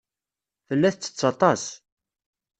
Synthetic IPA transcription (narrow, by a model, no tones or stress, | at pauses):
θəlːæθt͡sːə̥t͡sːɑt̪ˤɑs